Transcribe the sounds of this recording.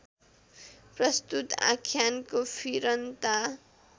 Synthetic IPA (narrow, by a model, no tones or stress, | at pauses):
prʌst̪ut̪ã̰kʰːjankopʰiɾʌnt̪a